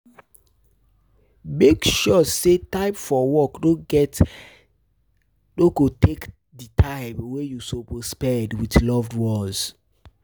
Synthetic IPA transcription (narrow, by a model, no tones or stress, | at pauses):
mekʃɔsetãɪpfɔwɔkdoɡɛt | doɡotʰek | ditʰaɪmwejusopɔspɛdwitlɔvdwɔz